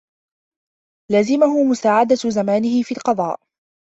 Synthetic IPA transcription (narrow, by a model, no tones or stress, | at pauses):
laːzɪmʊɦʊmʊsaːʕad̪azamaːnɪhɪfiːlqɑðˤɑːʔ